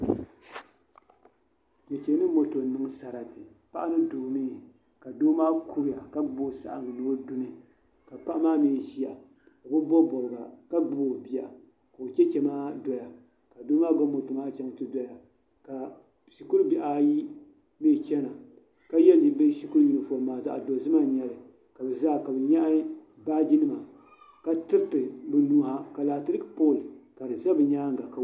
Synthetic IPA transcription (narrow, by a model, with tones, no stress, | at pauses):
kɛ˨t͡ʃɛ˨˦nɨ˦mo˨to˨nɨ˨ŋ˦sa˨ɾa˨tɨ˨pa˦ʔa˦nɨ˦doː˨niː˦ | ka˨doː˦maː˦kʰu˦ɾi˦ja˨ka˦ɡ͡boː˦sa̰˨ʔa˨ŋɨ˨noː˦du˦nɨ˦ | ka˨pa˦ʔmaː˦meː˦˨ʒi˦a˨ | ka˨bʊ˦bɔ˦bɔ˨ɾɨ˨ɡa̰˨ka˦ɡ͡bboː˨bi˨a˨ | ko˨t͡ʃɛ˦t͡ʃɛ˨maː˦dɔ˨ja˨ | ka˨do˦maː˦ɡo˦mo˨tu˨maː˦t͡ʃɛ˦ŋ˨tɨ˦dɔ˨ja˨ | ka˨ | si˨ku˦ɾbi˨ʔa˨ji˦ | meː˦˨t͡ʃɛ˦na˨ | ka˦jɛ˦ldi˨˦be˦si˦ku˦ɾji˨nɨ˨fo˨lmaː˨za̰˦ʔa̰˨do˨zɨ˦ma˦ɲɛ˨lɨ˨ | ka˨bɛ˨zaː˦˨ka˨bɛ˨ɲa˦ʔ | baː˦d͡ʒi˦nɨ˦ma˨ | ka˦tɨ˦ɾɨ˦tɨ˨bɨ˨nu˦ha˦ka˨laː˨tɨ˦ɾɨ˦kpoː˦˨lɨ˨ka˨dɨ˨za˦bɨ˨ɲaː˦ŋ˦ɡa˨ka˨